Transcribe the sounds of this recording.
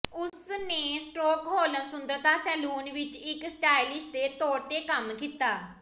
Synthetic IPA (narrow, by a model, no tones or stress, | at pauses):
ʊsneːsʈoːkɦoːləmsʊnd̪əɾt̪aːsɛːluːnʋɪt͡ʃɪksʈaːilɪsd̪eːt̪ɔːɽt̪eːkəmkiːt̪aː